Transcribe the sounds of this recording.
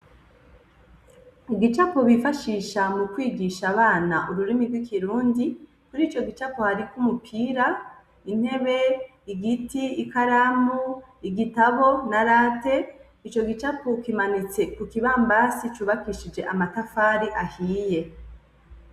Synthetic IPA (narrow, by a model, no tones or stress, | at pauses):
ɡit͡ʃakoβifaʃiːʃamukwiːɡiʃaβaːnaʔuɾuɾimiɾɡwikʰiɾuːndi | kuɾiːt͡ʃo̞ɡit͡ʃakohaɾikumupʰiːɾa | in̥he̞βe̞ | iɡitiːkaɾamuiɡitaβo̞naɾaːte̞ | it͡ʃo̞ɡit͡ʃakʰokimanit͡se̞kukiβaːmbasit͡ʃuːβakiʃid͡ʒe̞ʔamatafaːɾiʔahiːje̞